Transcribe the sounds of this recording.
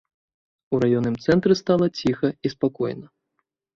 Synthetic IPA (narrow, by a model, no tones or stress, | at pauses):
uɾajɔnːɨmt̪sɛnt̪ɾɨst̪alˠɐt͡sʲixɐispakɔjnɐ